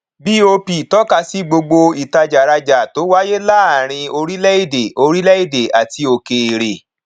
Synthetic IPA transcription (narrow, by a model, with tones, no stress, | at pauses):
bi˦o˧pi˨tɔ˦ka˧si˦ɡ͡bo˧ɡ͡bo˧i˨ta˧d͡ʒa˨ɾa˧d͡ʒa˨to˨˦wa˦je˦la˦a˨ɾ̃ĩ˧o˧ɾi˦lɛ˦i˦˨de˨o˧ɾi˦lɛ˦i˦˨de˨a˨ti˧o˨ke˨ɾe˨